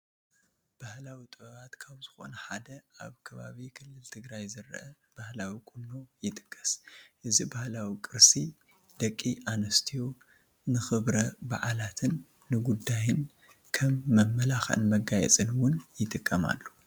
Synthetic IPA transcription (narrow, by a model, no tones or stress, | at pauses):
b̥ahlawit̪ʼɨβɐβat̪kʰaβzɨxo̰nɐħad̪ɐa̰βkʰɐβa̰βikʰɨlːɨlt̪ʰɨɡɾajzɨɾʔɐ | b̥ahlawikʼunːo̞jɪt̪ʼɨ̥kʼːɐ̥sʔɨzibahlawikʼɨɾsi | d̪̥ɐkʼːiʔanɐst̪ʰijo | nɨxɨβɾɐba̰ʕalat̪ʰɨnː | ɨɡud̪ːajɪn | kʰɐmːɐmːɐlaxɨ̰nmɐɡajɛ̰t͡sʼɨnwʊnjɪt̪ʼɨkʼːɐma̰lːo